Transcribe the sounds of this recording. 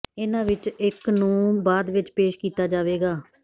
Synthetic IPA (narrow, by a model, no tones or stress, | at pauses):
ɪnãːʋɪt͡ʃɪknũːbaːd̪ʋɪt͡ʃpeːʃkiːt̪aːd͡ʒaːʋeːɡaː